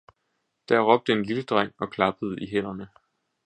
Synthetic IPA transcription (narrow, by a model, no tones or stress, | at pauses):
d̥æɐʁɒ̽b̥̚d̥əe̝nliləd̥ʁaŋ̰ɒ̽kʰlɑ̈b̥əð̞̩ˠəiɦen̰ɐnə